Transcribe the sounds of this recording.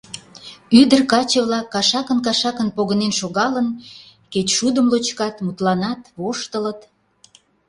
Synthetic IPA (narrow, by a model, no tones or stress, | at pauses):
yd̪ərkɑt͡ɕə̆βlɑkːɑʃɑkənk̬ɑʃɑkənpoɣənenʃoɣɑlən | ket͡ɕʃud̪əmlot͡ɕkɑt̪mut̪lɑnɑt̪βoʃt̪ələt̪